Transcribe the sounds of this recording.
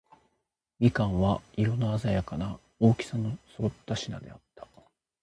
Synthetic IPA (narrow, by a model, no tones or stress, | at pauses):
ɡʲikãɰ̃βaiɾo̞noazajakana | o̞ːkʲi̥sanosot̪ːaɕinad̪e̞at̪ːḁ